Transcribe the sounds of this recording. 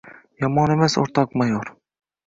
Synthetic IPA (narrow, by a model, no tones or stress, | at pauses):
jɑmɑnemɛso̰ɾt̪ʰɑkmɑjoɾ